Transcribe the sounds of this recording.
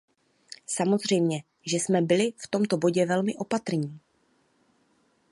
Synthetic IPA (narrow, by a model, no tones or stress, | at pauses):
samo̞zr̝ɛjmɲɛ | ʒɛsmɛbɪlɪft̪o̞mt̪o̞bo̞ɟɛvɛlmɪʔo̞pat̪r̩ɲiː